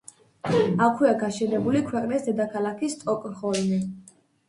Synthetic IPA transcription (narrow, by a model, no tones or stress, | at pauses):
akʰwiaɡaʃɛnɛbulikʰwɛqʼnisd̪ɛd̪akʰalˠakʰist̪ʼɔkʼnχɔlmi